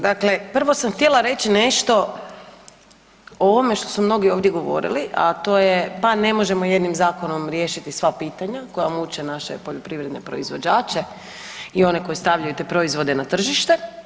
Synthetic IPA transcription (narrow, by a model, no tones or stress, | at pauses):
d̪akle̞pr̩ʋo̞samxt̪jelˠaɾe̞t͡ɕine̞ʃt̪o̞ | ooʋome̞ʃt̪o̞sumno̞ɡio̞ːʋd̪je̞ɡo̞ʋo̰ɾḭliʔa̰t̪o̞ːjepane̞mo̞ʒe̞moje̞d̪nimzaːko̞no̞mɾje̞ʃit̪isʋapiːt̪aɲakojamut͡ɕenaʃḛpoʎopɾiʋɾed̪ne̞pɾo̞̰izʋo̞d͡ʑaːt͡ʃe | io̞ne̞ko̞jist̪aʋʎajut̪e̞pɾo̞izʋo̞d̪e̞nat̪r̩ʒiʃt̪e̞